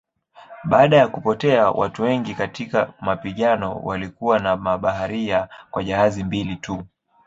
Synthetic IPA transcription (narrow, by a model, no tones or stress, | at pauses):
ɓaːɗajakupɔtɛawʔa̰tuwɛŋɡikatikamapiɠanɔ̰walikuwanamaɓaɦaɾiakwaʄahazimbilitʰu